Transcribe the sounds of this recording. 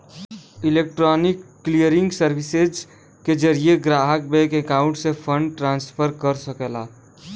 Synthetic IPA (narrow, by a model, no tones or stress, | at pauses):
ɪlek̚ʈɾɔːnɪkːlijəɾɪ̃ŋɡsəɾbɪsed͡ʒ | ked͡ʒəɾieɡɾaːɦək̚bekekaːʊ̃ɳʈsepʰəɳɖʈɾãːnspʰəɾkəɾsəkɛlaː